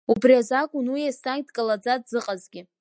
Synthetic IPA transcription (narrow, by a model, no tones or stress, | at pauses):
ubriazakʼʊnwijastaŋ̚tkʼalad͡zadzɨqʼazɡʲɪ